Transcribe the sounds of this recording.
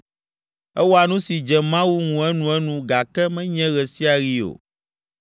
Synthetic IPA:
ɛ˦wo˦a˨nũ˦si˨d͡ʒɛ˨mã˦wu˦ŋũ˨ɛ˦nũ˨ɛ˦nũ˨ɡa˨kɛ˦mɛ̃˦ɲɛ̃˦ɣɛ˨si˦a˨ɣi˦o̰˨

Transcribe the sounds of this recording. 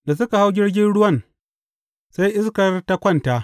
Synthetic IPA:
da˨sʊ˦ka˨ha˦wɡʲɪ˦ɽɡʲɪ˦nɽʊ˦wɐ˦˨n | sa˦jʔɪ˦skɐ˨rta˦kʷɔ˦nta˦ʔ

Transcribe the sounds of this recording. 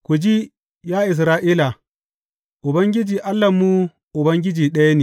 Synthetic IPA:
kʷu˨d͡ʒi˦ | jaː˦ʔɪ˨s̬ɾaː˦ʔiː˦la˨ | ʔʊ˨bɐ˦ŋɡʲɪ˦d͡ʒiː˨ʔa˦lːɐ˨mːu˦ | ʔʊ˨bɐ˦ŋɡʲɪ˦d͡ʒiː˨ɗɐ˦ja˦neː˨

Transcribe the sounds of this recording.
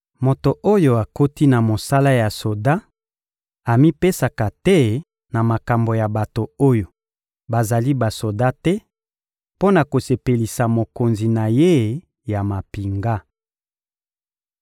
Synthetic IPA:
mo˨to˨ʔo˦jo˨a˨ko˦ti˦na˨mo˨sa˦la˦ja˨so˨da˦ | a˨mi˦pe˦sa˨ka˨tɛ˦ | na˨ma˨ka˨mbo˨ja˨ba˨to˨o˦jo˨ | ba˨za˨li˦ba˨so˨da˦tɛ˦ | po˦na˨ko˨se˨pe˨li˨sa˨mo˨ko˨nzi˨na˨je˦ | ja˨ma˨pi˨ŋɡa˦

